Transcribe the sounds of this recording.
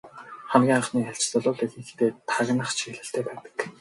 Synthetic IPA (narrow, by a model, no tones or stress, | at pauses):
χæmɡʲiːŋχaχniːaɮt͡ɕt͡sɔɮʊːɮeɮɘ̆xt̪eːt̪ʰaɣnə̆χt͡ɕʰiɣɮɘ̆ɬt̪ʰeːpæːt̪ə̥̆k